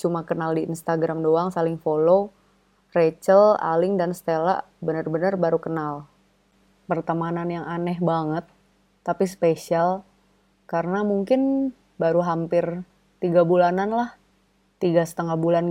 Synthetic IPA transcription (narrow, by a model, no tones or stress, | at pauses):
t͡ʃumakənaldiḭnst̪aɡɾamdoaŋsalɪŋfolo | ret͡ʃəla̰lɪŋdansə̥t̪ela̰ʔ | bənərbənərbaɾukənal | pərt̪amananjaŋanɛɦbaŋət̪̚ː | apispesial | kaɾənamuŋkɪn | baɾuɦampɪr | t̪iɡabulananlah | t̪iɡasə̥t̪əŋahbulan